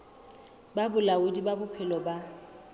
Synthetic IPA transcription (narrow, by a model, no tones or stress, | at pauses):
babʊlaʊdibabʊpʰɪlɔba